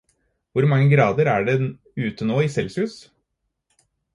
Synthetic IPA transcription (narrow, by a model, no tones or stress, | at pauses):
ʋʊɾmɑŋːəɡɾɑːd̪əɾæːɖɛ | ʉːt̪ənoːisɛlsʉːs